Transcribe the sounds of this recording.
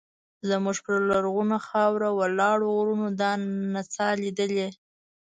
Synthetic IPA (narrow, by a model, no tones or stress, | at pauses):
zəmuʒpəɾlaɾɣunaxɑwɾawalɑɽoɣɾunod̪ɑnat͡sɑlid̪əle